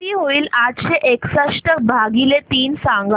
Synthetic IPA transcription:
iːɦoiːladɕeʔeksaʂʈək̚bʱaɡilet̪iːnsaŋɡa

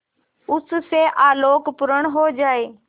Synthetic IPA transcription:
ʊs̆seʔaːloːkpʊɾəɽ̃ɦod͡ʑaːeː

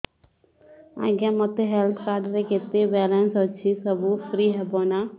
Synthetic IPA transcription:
ã̰ɡãmɔt̪eɦɛlt̪ʰkaːɖɾeket̪ebɛːlɛ̃nsət͡ʃʰisəbufɾiːɦɛboːna

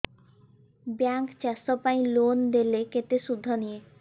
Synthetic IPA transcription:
baŋkt͡ɕɛsɔpaj̃lond̪eleket̪eʃud̪ʱːɔnije

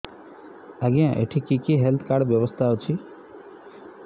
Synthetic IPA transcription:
aɡiãʔḛʈʰikikiɦelt̪ʰkaɖbjɔbɔst̪ʰaowt͡ʃʰi

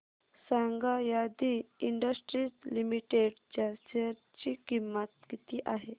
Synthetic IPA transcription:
saŋɡajad̪iiɳɖəsʈɾislimiʈeɖd͡ʑasəɾt͡ɕiːkimːət̪kit̪iːʔaɦe

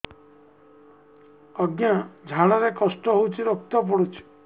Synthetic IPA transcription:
ɔɡnad͡ʒʱaɽaɾekɔsʈɔɦowt͡ʃʰiɾok̚t̪ɔp̬ɔɽut͡ʃʰi̥

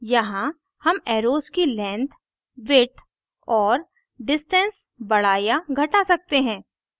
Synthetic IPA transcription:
jɐɦã | hɐmɛːɾoːskilɛ̃ːnt̪ʰ | ʋɪʈʰ | ɔːɾ | ɖɪsʈə̃nsbɐɽ̤aːjaɡʱɐʈasɐk̚t̪eɦɛ̃ː

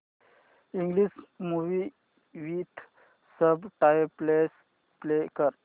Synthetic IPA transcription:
iŋɡlismuʋi | ʋit̪ʰ | səbʈajples | plekəɾ

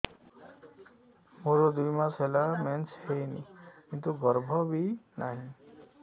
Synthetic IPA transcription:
moɾod̪ujmasɦelament͡ʃhejnḭkint̪uɡɔɾbʱɔbinaɦĩ

